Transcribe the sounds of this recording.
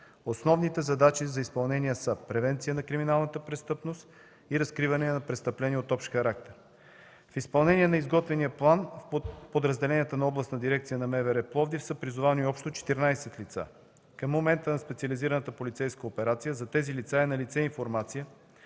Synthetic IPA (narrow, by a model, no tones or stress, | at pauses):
osnɔvnit̪ɛzɐd̪at͡ʃizɐispɐlˠnɛniəsəpɾɛvɛnt̪sijənɐkɾiminalˠnət̪əpɾɛst̪ɤpnost̪ | iɾɐskɾivɐnɛnɐpɾɛst̪əplɛniɛot̪ɔpʃxɐɾak̚t̪ɛɾ | fispɐlˠnɛniɛnɐizɡɔt̪vɛnijəplˠanpod̪ɾəzd̪ɛlɛnijət̪ənɐɔblˠɐsɐd̪iɾɛk̚t̪sijənɐmɛvɛɾɛplˠɔvd̪ifsəpɾizʊvaniɔpʃt̪ot͡ʃɛ̥t̪iɾnajsɛt̪lit̪sa̰ | kəmːomɛnt̪ənɐspɛt̪siɐliziɾənət̪əpolit̪sɛjskəopɛɾat̪sijəzɐt̪ɛzilit̪saɛnɐlit̪sɛiɱfoɾmat̪sijə